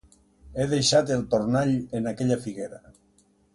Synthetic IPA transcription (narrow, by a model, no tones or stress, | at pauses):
eðejʃat̪elt̪oɾnaʎenakeʎafiɣeɾa